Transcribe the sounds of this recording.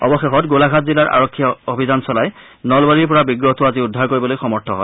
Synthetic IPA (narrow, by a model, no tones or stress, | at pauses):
ɔ̰bɔxexɔtɡolaɡʱatzilaɹʔa̰ɹɔkʰːiaobʱizansɔlaj | nɔlbaɹiɹpɔɹabiɡɹɔtʊaziʊdʱːaɹkoɹibɔlojxɔmɔɹtʰɔɦɔj